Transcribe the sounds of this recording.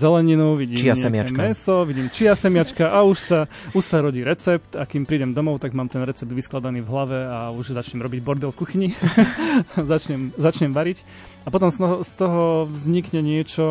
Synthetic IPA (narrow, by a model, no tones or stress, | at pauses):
zɛlɛɲinuʋiɟiːmɛamɛsɔʋiɟiːmt͡ʃiasɛmɪat͡ʃkaʔauʃsa | uʃsaɾɔɟiːɾɛt͡sɛpt̪akimpɾiːɟɛmd̪ɔmɔʊt̪aɡmaːmt̪ɛnɾɛt͡sɛb̚d̪ʋisklad̪aniːvɦlaʋɛauʒzat͡ʃɲɛmɾɔbiɟbɔɾd̪ɛlkuxiɲi | zat͡ʃɲɛmzat͡ʃɲɛmʋaɾic | apɔt̪ɔmst̪ɔst̪ɔɦɔʋzɲikɲɛɲɪɛt͡ʃɔ